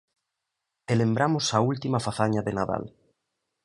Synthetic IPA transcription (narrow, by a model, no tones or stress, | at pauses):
elembɾamʊsɐult̪imɐfaθaɲaðenaða̰l